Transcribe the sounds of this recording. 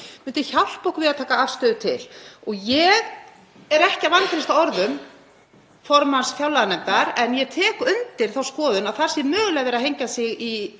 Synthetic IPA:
mʏnt̪ɪçawl̥powkvɪðaðt̪ʰaːkaafst̪œːðʏt̪ʰɪ̰lɔɣjɛɣ | ɛɾɛhcavank̪ʰaɾnɪst̪aɔɾðʏm | fɔɾmansfjawlaðanɛmt̪aɾɛnjɛt̪ʰɛːkʏnt̪ɪɾ̥θawskɔːðʏnawθaɾ̥sɪmœːɣʏlɛːɣvɛɾahejɲcasɪɣi

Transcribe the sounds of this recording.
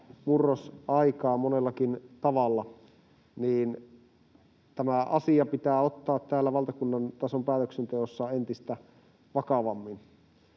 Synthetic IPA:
murːosʔɑikɑːmonelːɑkint̪ɑʋɑlːɑ | niːn | t̪æmæʔɑsiɑpit̪æːot̪ːɑːt̪t̪æːlːæʋɑlt̪ɑkunːɑnt̪ɑsompæːt̪øksent̪eosːɑent̪ist̪æ | ʋɑkɑʋɑmːin

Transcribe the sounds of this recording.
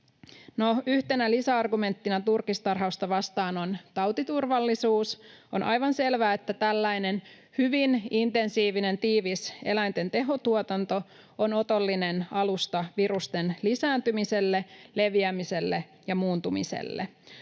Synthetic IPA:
noyht̪e̞nælisæɑrɡume̞nt̪ːinɑt̪urkist̪ɑrɦɑust̪ɑʋɑst̪ɑːno̞nt̪ɑwt̪it̪urʋɑlːisuːsonʔɑ̰jʋɑnse̞lʋæːet̪ːæt̪ælːæjne̞n | hyʋinint̪e̞nsiːʋine̞nt̪iːʋise̞̰læjnt̪ent̪e̞ɦo̞t̪uot̪ɑnt̪o̞ | ono̞t̪o̞lːine̞nɑlust̪ɑʋiɾust̪e̞nlisæːnt̪ymise̞lːele̞ʋiæmise̞lːe | jɑmuːnt̪umḭse̞̰lːḛ

